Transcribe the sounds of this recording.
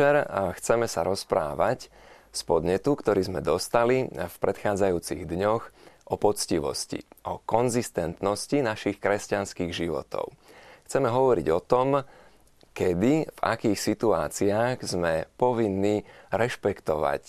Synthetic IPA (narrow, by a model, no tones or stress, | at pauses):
ɛɾxt͡sɛmɛsaɾɔspɾa̰ːʋac | spɔd̪ɲɛt̪ukt̪ɔɾiːzmɛd̪ɔst̪alifpɾɛt̪xaːd͡zajuːt͡sḭɣd̪ɲɔxʔɔpɔt͡sciʋɔ̰scḭʔɔkɔnzist̪ɛnt̪nɔscinaʃixkɾɛscanskiːɣʒiʋɔ̰t̪ɔ̰ʊxt͡sɛmɛɦɔʋɔɾḭɟɔt̪ɔm | kɛd̪iva̰kiːxsit̪uaːt͡siaːɣzmɛpɔʋinːiːɾɛʃpɛkt̪ɔʋa̰c